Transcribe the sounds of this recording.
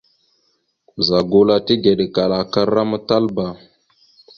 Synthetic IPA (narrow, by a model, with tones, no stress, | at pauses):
za˨ɡu˨la˦ti˦ɡe˨ɗe˨ka˨la˨ka˦ɾa˦ma˦ta˦lba˨